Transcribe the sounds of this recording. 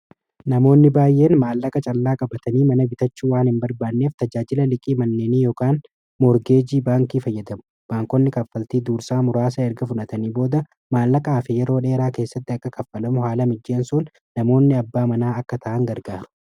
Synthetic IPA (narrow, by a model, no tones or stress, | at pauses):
nɐmo̞ːnːɪbaːjːe̞ːnmaːlːɐkʼɐt͡ʃʼɐlːaːkʼɐbɐt̪ɐniːmɐnɐbɪt̪ɐt͡ʃːuːwaːnhɪmbɐɾbaːd̪nːe̞ːft̪ɐd͡ʒaːd͡ʒɪlɐlɪkʼiːmɐnːe̞ːniːjoːkaːn | mɔɾɡe̞ːd͡ʒiːbaːŋkiːfɐjːɐd̪ɐmʊ̥ | b̥aːŋkɔnːɪkɐfːɐlt̪iːd̪uːɾsaːmʊɾaːs̬ɐɛɾɡɐfʊᶑɐt̪ɐniːbo̞ːd̪ɐ | maːlːɐkʼɐːfɛjɛɾo̞ːᶑe̞ːɾaːke̞ːsːɐt̪ːɪɐkːɐkɐfːɐlɐmʊɦaːlɐmɪd͡ʒːeːnsun | nːɐmo̞ːnːɪɐbːaːmɐnaːɐkːɐt̪ʰɐʔɐŋɡɐɾɡaːɾʊ̥